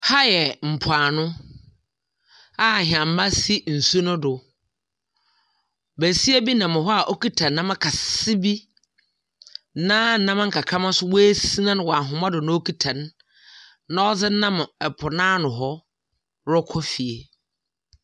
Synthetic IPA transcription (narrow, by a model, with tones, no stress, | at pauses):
ha˦jɛ˨m̩˨pʰaː˨nʊ̃˦ | a˦˨ɦã˨m˨ma˦si˦n̩˨su˦nʊ̃˦dʊ˨ | bæ˨si˦æ˦bi˦nã˨mɪ̃˨ɦɔ˦a˨ʔo˦ki˦tʰã˨nːã˦mã˦kʰa˨sɪ˦bi˦ | nã˦n̩˨nã˦mã˦ŋ̩˨kʰa˨kʰã˦mã˦sʊ˦wo˦e˦si˦nã˦nʊ̃˨wɔ˨a˨ɦʊ̃˨mã˦dʊ˨nã˨˦o˦ki˦tʰã˨nː | ã˦ɔ˦d͡zɪ˦nã˦m˨ɛ˨pʰʊ˨nãː˦nʊ̃˨ɦɔ˦ | ɾɔ˦kʰɔ˦fi˨e˨